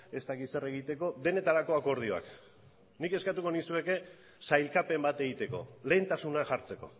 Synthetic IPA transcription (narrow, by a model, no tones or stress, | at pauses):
e̞st̪akit̪se̞re̞ɣ̞it̪e̞ko̞d̪e̞ne̞t̪aɾako̞ako̞ɾð̞io̞a̰k | nike̞skat̪uko̞nisue̞ke | sajlkape̞mbat̪e̞ɣit̪e̞ko̞̰le̞ːnt̪asunaʝaɾt͡se̞ko̞̰